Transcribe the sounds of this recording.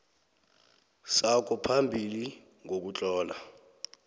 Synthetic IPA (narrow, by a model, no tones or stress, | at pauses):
sak̬ʰɔpʰambʱili | ŋʱok̬ut͡ɬʼɔːla